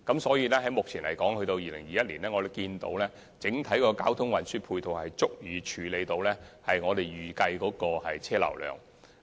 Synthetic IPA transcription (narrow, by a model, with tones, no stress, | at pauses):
kɐ˨˥msɔː˨˥jiː˨˧lɛː˥ɦɐ˨˥jmʊ˨k̚t͡sʰiː˨˩nlɐ̰˨˩jkɔː˨˥ŋhɵ˧ɥt̪o˧wjiː˨lɪ̰˨˩ŋjiː˨jɐ˥t̚liː˨˩nlɛː˥ŋɔː˨˧d̪kiː˧nt̪o̰˨˧wlɛː˥ | t͡sɪ˨˥ŋt̪ʰɐ˨˥jkɔː˧kaː˥wt̪ʰʊ˥ŋwɐ˨nsyː˥pʰuː˧jt̪ʰo˨whɐ˨jt͡sʊ˥k̚jyː˨˧t͡ʃʰyː˨˧le˨˧jt̪o˧wlɛː˥hɐ˨jŋɔː˨˧t̪e˨jɥyː˨˩kɐ˧jkɔː˨˥kɔː˧hɐ˨jt͡sʰɛː˥lɐ̰˨˩wlœ̰ː˨˩ŋ